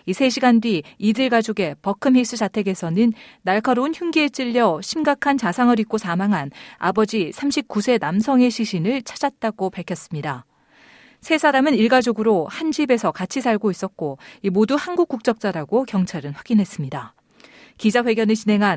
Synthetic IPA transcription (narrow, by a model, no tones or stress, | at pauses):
isʰe̞ɕʰiɡandɥiidɯɭɡad͡ʑoɡe̞pʌkʰɯmɦis͈ɯt͡ɕatʰe̞ɡe̞sʰʌnɯnːaɭkʰaɾoɯnçjuŋɡiet͡ɕ͈iʎːʌɕʰimɡakʰant͡ɕasʰaŋɯɾit̚k͈osʰamaŋɦana̰bʌd͡ʑisʰamɕʰip̚k͈usʰe̞namsʰʌŋe̞ɕʰiɕʰinɯɭt͡ɕʰḁd͡ʑat̚t͈aɡopaɭkʰjʌs͈ɯmɲida | sʰe̞sʰaɾamɯniɭɡad͡ʑoɡɯɾohand͡ʑibe̞sʰʌkat͡ɕʰisʰaɭɡois͈ʌt̚k͈oimoduhanɡuk͈uk̚t͡ɕ͈ʌk̚t͡ɕ͈aɾaɡokjʌŋt͡ɕʰaɾɯnɸwaɡ̥inɦe̞s͈ɯmɲida | kid͡ʑaɸwe̞ɡjʌnet͡ɕinɦe̞ŋɦan